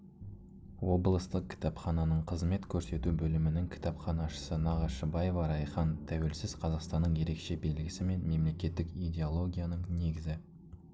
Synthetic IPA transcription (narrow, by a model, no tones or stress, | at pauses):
wo̞blˠəst̪əq̚kʲʰɪ̥t̪ɑpχɑnɑnəɴqʰəzme̞t̪kʲʰɵɾse̞t̪ubɵlɪmɪnɪŋkʲʰɪ̥t̪ɑpχɑnɑʃə̥sənɑʁɑʃəbɑjevɑɾɑjχɑnt̪ʰæwe̞lsɪz̥qʰɑzɑqst̪ɑnːəɴje̞ɾe̞kʃe̞be̞lɡʲɪsɪme̞nme̞mle̞kʲe̞t̪ːɪkijd̪ʲe̞olˠo̞ɡʲijanəɴne̞ɡʲɪzɪ